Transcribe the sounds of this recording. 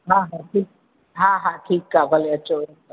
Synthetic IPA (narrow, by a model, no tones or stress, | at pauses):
ɦãɦãʈʰiːk̚ | ɦãɦãʈʰiːkːabʱɐleɐtːʃʰo